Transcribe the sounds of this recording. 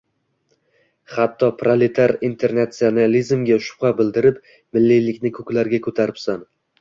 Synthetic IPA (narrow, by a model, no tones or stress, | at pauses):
χat̪ʰːɒpʰɾalet̪ʰaɾint̪ʰe̞ɾnat̪sionalizmɡʲaʃʊ̥pχabɪld̪ɪɾɪp | mɪlːijlɪkʲnɪkʰɵkʲlaɾɡʲakʰɵt̪ʰaɾɪpsan